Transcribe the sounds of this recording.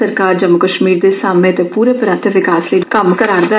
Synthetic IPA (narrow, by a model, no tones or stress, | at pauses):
əɾkaːɾd͡ʒəmːʊkəʃmiːɾd̪eːsaːmẽːt̪epuːɾeːpəɾə̃nt̪ʰʋɪkaːsləikəmkəɾaːɾd̪ɛ